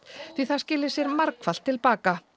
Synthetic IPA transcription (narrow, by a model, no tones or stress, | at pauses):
θiθḁscɪːlɪ̥sjɛɾmaɾkfal̥t̪ʰːɪlpaːka